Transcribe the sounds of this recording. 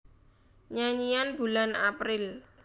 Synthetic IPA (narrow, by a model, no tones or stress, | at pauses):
ɲaɲijanb̥ulana̰pɾɪl